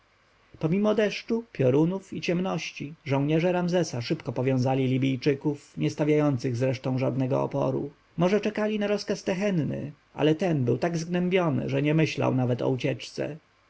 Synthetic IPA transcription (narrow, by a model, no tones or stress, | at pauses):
pɔmʲimɔd̪ɛʂt͡ʂupʲjɔɾunufit͡ɕɛmnɔɕt͡ɕiʐɔ̃w̃ɲɛʐɛɾamzɛsaʂɘpkɔpɔvʲjɔ̃w̃zalʲilʲibʲijt͡ʂɘkufɲɛst̪avʲjajɔnt̪sɘɣzɾɛʂt̪ɔ̃w̃ʐad̪nɛɡɔ̰ɔ̰pɔ̰ɾṵ | mɔʐɛt͡ʂɛkalʲinaɾɔskast̪ɛxɛnnɘ̰ | ʔa̰lɛt̪ɛnbɘwt̪aɡzɡnɛmbʲjɔnɘ̰ʐɛɲɛmɘɕla̰wnavɛt̪ɔ̰ut͡ɕɛt͡ʂt̪sɛ̰